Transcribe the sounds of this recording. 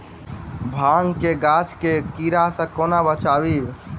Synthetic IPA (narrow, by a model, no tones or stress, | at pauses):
bʱãŋkeɡat͡ʃkekiɾasə̃konabət͡ʃabi